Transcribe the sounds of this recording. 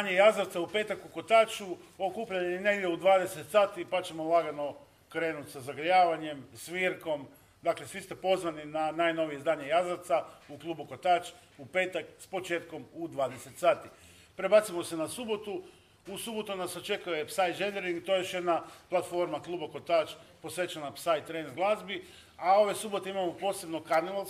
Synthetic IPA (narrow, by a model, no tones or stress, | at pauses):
aɲejazaɾt̪saupe̞ːt̪akuko̞t̪aːt͡ʃuo̞kuːpʎaɲejne̞ɡd̪ʲjeud̪ʋaːd̪e̞se̞t̪saːt̪ipat͡ɕe̞molˠaɡano̞ | kɾe̞ːnut̪ʲsazaɡɾjaːʋaɲe̞msʋiɾko̞m | d̪aklesʋist̪e̞po̞zʋaninanajno̞ʋijeizd̪aːɲe̞jazaɾt̪sauklˠuːbukot̪aːt͡ʃupe̞ːt̪akspo̞t͡ʃe̞ːt̪komud̪ʋaːd̪eset̪saːt̪i | pɾe̞baːt̪simo̞se̞nasubo̞t̪u | usubo̞t̪unasat͡ʃe̞kujepsaj̪d͡ʒeneɾiŋɡt̪ojjoʃjed̪naplˠat̪fo̞ɾmaklˠuboko̞t̪at͡ʃpo̞sʋe̞t͡ʃanapsajt̪ːɾenzɡlˠazbi | ao̞ʋesubo̞t̪eimamo̞po̞ːse̞bno̞kanial